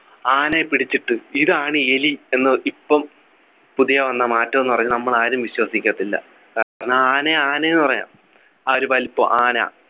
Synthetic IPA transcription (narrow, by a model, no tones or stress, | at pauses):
aːnepiɽit͡ɕːiʈːɨiðɨaːɳie̞lie̞nːɨʔipːɐm | puðijɐʋɐnːamaːtːɐmenːɨpɐrɐɲːunɐmːɐɭaːɾumʋiɕwɐsikʲːɐɐt̪ːilːɐ̰ | kaːaːɾɐɳːɐaːneaːnejinːɨpɐrɐja̰ːm | ɐoɾupaːlipːo̰ːʔaːna̰ː